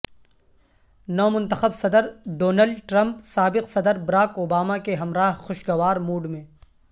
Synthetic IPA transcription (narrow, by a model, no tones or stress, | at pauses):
nɔːmʊ̃nt̪əxəbsɐd̪əɾɖoːnəlɖʈɾɐ̃mpsaːbɪqsɐd̪əɾbɐɾaːkoːbaːmakeɦɐmɾaːɦxʊʃɡɐʋaːɾmuːɖmẽː